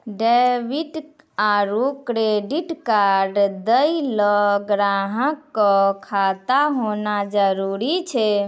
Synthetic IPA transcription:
ɖebiʈ | aɾukɾeɖiʈkaɾɖd̪əjlɔɡɾaɦəkːɔkʰat̪aɦonad͡ʒəɾuɾit͡ʃʰɛ

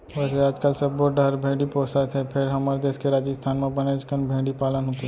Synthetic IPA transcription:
ʋɛːseaːd͡ʒkəlsɐbbɔːʈɖaɾbʱẽːɖipɔːsat̪ʰɦɛpʰɪɾɦɐmaːɾed̪eːskeɾaːd͡ʒəst̪ʰaːnmẽbɐned͡ʒkənbʱẽːɽipaːlənɦoːt̪i

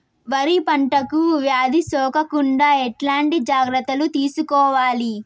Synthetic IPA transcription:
ʋɐɾipɐɳʈɐkuʋjaːd̪ʱisɔːkɐkuɳɖaːɛʈlaːɳʈid͡ʒaːɡɾɐt̪ːɐlut̪iːsukɔːʋaːli

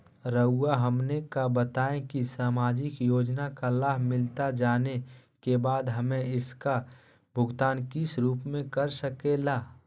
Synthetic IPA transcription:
ɾəʊːaɦɐmnekabət̪aːẽkisaːmaːd͡ʒɪkjoːd͡ʒnakalaːɦmɪlt̪ad͡ʒaːne | kebaːd̪ɦɐmẽɪska | bʱʊɡt̪aːnkisɾuːpmẽkəɾsəkelaː

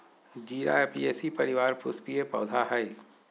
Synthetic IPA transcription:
d͡ʒiːɾa̰epieːsipɐɾɪʋaːɾpʊspiepɐ̰ːd̪ʱaɦɐi

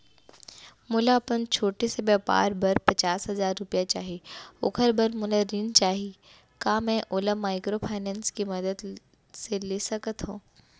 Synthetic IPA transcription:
mʊlaɐpənt͡ʃʰoːʈesebɛːpa̰ːɾbɐɾpɐt͡ʃaːsɦɐzaːɾːʊpjat͡ʃaːɦiʊ̰kʰəɾbəɾmʊlaɾint͡ʃaːɦi | kaːmɛ̃ʔoːlamaːɪkɾopʰaːɪnɛ̃ːnskimɐd̪əd̪ | seleːsɐkət̪ɦũː

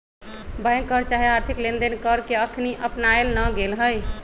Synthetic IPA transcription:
bajŋkːəɾt͡ʃaɦiaɾt̪ʰiklend̪enkəɾkeəkʰniʔəpnaelnəɡelɦəj

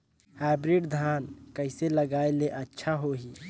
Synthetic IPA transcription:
habɾiɖd̪ʱankəɪseləɡaeleʔətːʃʰaɦoɦi

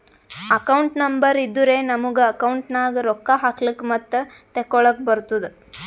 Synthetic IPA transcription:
ɐkɐwɳʈnɐmbɐɾid̪ːuɾeːnɐmuɡeɐkɐwɳʈnaːɡeɾɔkːɐɦaːklikmɐt̪ːe | t̪ekːɔɭɐk̚bɐɾt̪ud̪e

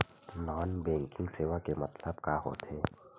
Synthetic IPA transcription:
nɔːnbɛ̃ːŋkɪ̃ŋɡseːʋakemɐt̪ləbkaːɦo̰ːt̪eː

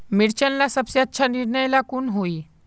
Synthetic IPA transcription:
miɽt͡ɕənlasəbseətːɕʰaniɾɳəjlakuːnɦoi

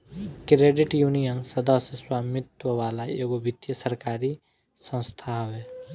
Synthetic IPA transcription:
kɾeːɖɪʈjunijənsəd̪əsjəswaːmɪt̪wəʋaːlaeːɡobʱɪt̪jəsəɾkaːɾi | sə̃nst̪ʰaːwɛː

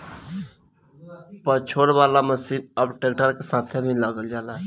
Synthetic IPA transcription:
pət͡ʃʰoɾʋaːlaməsiːnəbʈek̚ʈəɾkesaːt̪ʰemiləɡəld͡ʒaːla

